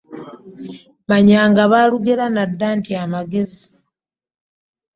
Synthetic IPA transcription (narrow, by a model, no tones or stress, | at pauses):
maɲaːŋɡaβaːluɡeɾanadːaːntiamaɡe̞zi